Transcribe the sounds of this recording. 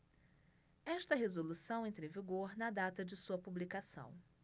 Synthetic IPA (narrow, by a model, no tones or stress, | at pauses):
ɛʃt̪ɐɦezolusɐ̃w̃ẽnt̪ɾeviɡoɾnɐd̪at̪ɐd͡ʒɪsuɐpublikasɐ̰̃w̃